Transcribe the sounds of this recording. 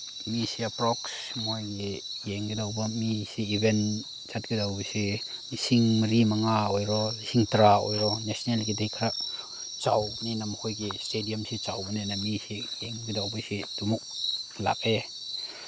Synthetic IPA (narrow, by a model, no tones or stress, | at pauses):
misiapɾɔksmojɡejeŋɡidawbamisiːbɛn | t͡ʃat̚ɡidawbɔjsimisiŋməɾimaŋaɔjɾɔisiŋtɾaɔ̰jɾɔnesɔnelkidejkʰa | t͡ʃawbninamhɔjɡestediamsit͡ʃawbənenamisijeŋɡidawbɔjsidumuk̚la̰k̚e